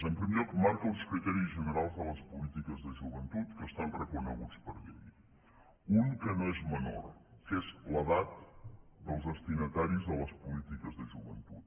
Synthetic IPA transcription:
əmpɾimeɾʎɔkmaɾkəlˠskɾit̪ɛɾizʒənəɾalˠzðələspulit̪ikəzðəʒuβənt̪ut̪kəst̪anrəkunə̰ɣut͡spəɾðeʎ | uŋkənoezməno̰ɾkezləðat̪d̪əlˠzðəst̪inət̪aɾizðələspulit̪ikəzðəʒuβənt̪ut̪̚

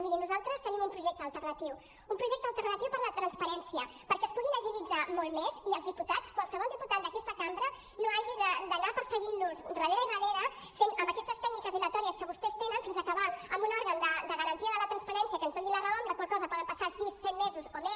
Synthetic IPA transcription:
miðinuzalˠt̪ɾəst̪ənimumpɾuʒɛk̚t̪əːlˠt̪ərnət̪iw | umpɾuʒɛk̚t̪əlˠt̪ərnət̪iwpəɾlət̪ɾənspəɾɛnsiəpəɾkɛːspuɣinəʒilid͡zamolˠmeziəlzðiput̪at͡skwalˠsəβɔlˠd̪iput̪at̪̚d̪əkɛst̪əkambɾə | noaʒiðəd̪ənapəɾsəɣinuzrəðeɾəirəneɾə | fenəmbəkɛst̪əst̪ɛɡnikəzðilət̪ɔɾiəskəβust̪ɛst̪enənfinzəkəβaləmbunɔɾɣənd̪əd̪əɣəɾənt̪iəðələt̪ɾənspəɾɛnsiəkənzðoŋɡilərəomd̪əkwalˠkɔzəpɔðəmpɐsasisːɛt̪mezuzomes

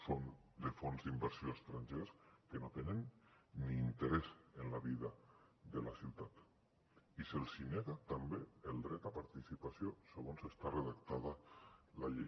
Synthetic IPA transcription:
sond̪efonzðimbəɾsioest̪ɾaɲʲʒeskenot̪enenːiːnt̪eɾezenlaβiðad̪elasiwt̪at̪ | iselˠsineɣat̪ambeelˠd̪ɾɛt̪apaɾt̪isipasijoseɣ̞onsest̪areðakt̪aðalaʎe

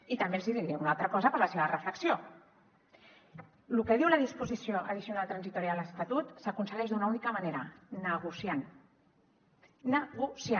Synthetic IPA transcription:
it̪əmbeziðind̪ɛunalˠt̪ɾəkɔzəpəɾləseβərəfləksio | lukəðiwləðispuzisioʔəðisiunalˠt̪ɾənzit̪uɾialəst̪at̪ut̪səkunsəɣɛʒd̪unaunikəmaneɾənəɣusjan | nəɣusja

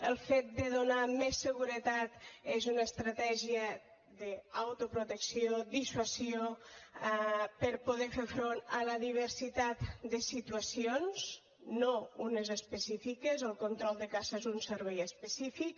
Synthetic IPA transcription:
əlˠfet̪̚d̪əðonamesːəɣuɾət̪at̪ezunəːst̪ɾət̪ɛʒiə | ðəawt̪opɾut̪əksiod̪iswəsio | pəɾpuð̞ɛfefɾonələðiβ̞əɾsit̪at̪d̪əsit̪uəsionz̥ | nounəzəspəsifikəzəlˠkont̪ɾɔlˠd̪əkaseezunsəɾβɛjəspəsifik

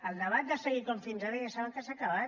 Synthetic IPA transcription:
əlˠnəβat̪̚d̪asəɣiɾkoɱfinzaɾəjasaβəŋkesakaβat̪

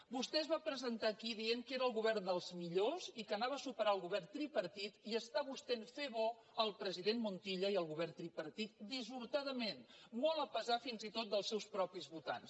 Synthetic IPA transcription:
bust̪ɛəzβapɾəzənt̪akiðieŋkeɾəːlˠɣuβɛrnd̪əlˠzmiʎozikənaβəsupəɾaəlˠɣuβɛrt̪ɾipəɾt̪it̪iəst̪aβust̪enfeβɔ | əlˠpɾəziðenmunt̪iʎəiəlˠɣuβɛrt̪ɾipəɾt̪it̪̚d̪izuɾt̪aðəmenmɔlˠəpəzafinzit̪ot̪̚d̪əlˠsɛwspɾɔpizβut̪a̰ns

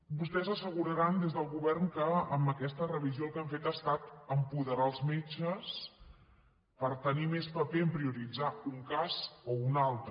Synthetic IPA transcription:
bust̪ɛzəsəɣuɾəɾand̪ezðəlˠɣuβɛrŋkəəmbəkɛst̪ərəβ̞izijolˠkaɱfet̪əst̪at̪əmpuðəɾaəlˠzmet͡ʃəs | pəɾt̪ənimespəpeəmpɾiuɾid͡zauŋkazounalˠt̪ɾ

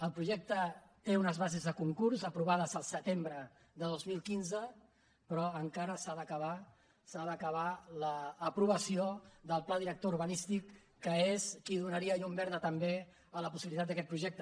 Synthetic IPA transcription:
əlˠpɾuʒɛk̚t̪ət̪eunəzβazezðəkuŋkuɾzəpɾuβ̞aðəzəlˠsət̪embɾə | ðəðozmilˠkinzə | pɾɔəŋkaɾəsaðəkəβa | saðəkəβ̞aləːpɾuβ̞əsioðəlˠplaðiɾək̚t̪ouɾβənist̪ikː | əeskiðunəɾiəjumbɛɾðət̪əmbe | ələpusiβilit̪at̪d̪əkɛt̪̚pɾuʒɛk̚t̪ə

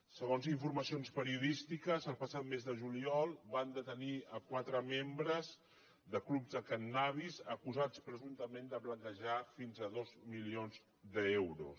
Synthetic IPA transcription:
səɣ̞onziɱfurməsionspəɾiuðist̪ikəzəlˠpəsat̪mezðəʒuliɔlˠband̪ət̪əniəkwat̪ɾəmembɾəz | ðəklubzðəkənːaβ̞izəkuzat͡spɾəzunt̪əmend̪əplənt̪əʒafinzəðozmilionz | d̪əewɾṵs

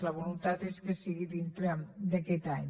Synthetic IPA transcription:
ləβulunt̪at̪eskesiɣiðint̪ɾed̪əkɛt̪aɲ

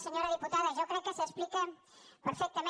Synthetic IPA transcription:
səɲoɾəðiput̪aðəʒawkɾɛkːəsəsplikə | pəɾfɛk̚t̪əme

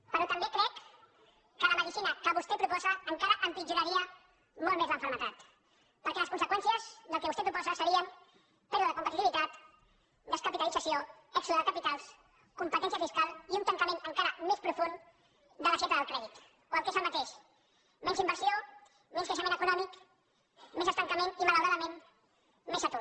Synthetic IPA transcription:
pəɾɔt̪əmbekɾɛkː | ələməðisinəkəβust̪ɛpɾupɔzəːŋkaɾəʔəmpid͡ʒunəɾiə | mɔlˠmezləɱfəɾmət̪at̪ | pəɾkɛləskunsəkwɛnsijəzðəlˠkeβust̪ep̬ɾupɔzəsəɾiən | pɛɾðəðəkumpət̪it̪iβit̪at̪ | d̪əskəpit̪əlid͡zəsioɛksuðəðəkaəpit̪alˠs | kumpət̪ɛns̬iəfiskalˠiunt̪əŋkəmenəŋkaɾəmespɾufun | d̪ələfet̪əðəlˠkɾɛðit̪ | oəlˠkezəlmət̪eʃ | mɛnzimbəɾsio | menskaʃəmẽntəkunɔmik | mezəst̪əŋkəmenimaləwɾaðəmen | mezət̪o

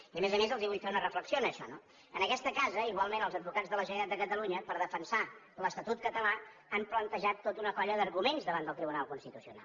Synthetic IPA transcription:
iəmezəmezəlˠziβuʎfeunərəfləksionəːʃɔ̰no | ənəkɛst̪əkazəiɣwalˠmenəlˠzəd̪̚bukad͡zðələʒənəɾat̪d̪əkət̪əluɲəpəɾðəfənsa | ləst̪ət̪ut̪̚kət̪əla | əmplənt̪əʒat̪ːot̪unəkɔʎəðəɾɣumenzðəβand̪əlˠt̪ɾiβunalˠkunst̪it̪usiuna̰l

